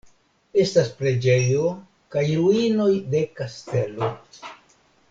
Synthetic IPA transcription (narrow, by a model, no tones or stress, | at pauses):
e̞staspɾe̞d͡ʒe̞jo̞ | kajɾuino̞jde̞kaste̞lo̞